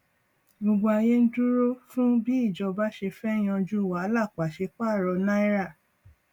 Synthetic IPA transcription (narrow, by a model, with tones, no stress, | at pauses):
ɡ͡bo˨ɡ͡bɔ˧a˧˨je˦n̩˦du˦ɾo˦fũ˦bi˦i˦˨d͡ʒɔ˨˧ba˦ʃe˧fɛ˦j̃ã˧d͡ʒu˦˨wa˨˦la˦˨k͡pa˨ʃe˧k͡pa˦˨ɾɔ˧na˦i˦ɾa˦˨